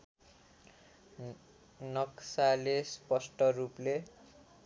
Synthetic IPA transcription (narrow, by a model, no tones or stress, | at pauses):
nʌksalespʌsʈʌruple